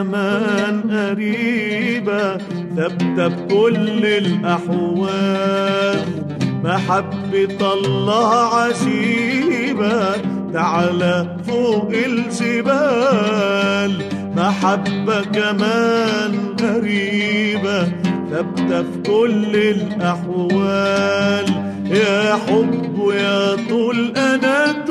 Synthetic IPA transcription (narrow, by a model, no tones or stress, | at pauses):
amanʔaɾiːba | θab̚t̪abkʊlːɪlʔaħwa | l | maħabːɪt̪ɑlˤːɑːhʕad͡ʒi | ba | t̪aʕala | fuːʔɪlʒɪbaː | l | maħabːakamaːnɣaɾiːbat̪abt̪afk̪ʊlːɪlʔaħwaːl | jaːħʊbːjaːt̪ˤuːlʔanat̪